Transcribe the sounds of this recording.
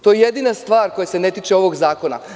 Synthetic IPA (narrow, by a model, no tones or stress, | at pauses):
t̪o̞jejed̪inast̪ʋaːɾko̞jese̞ne̞t̪it͡ʃeo̞ʋo̞ɡzaːko̞na̰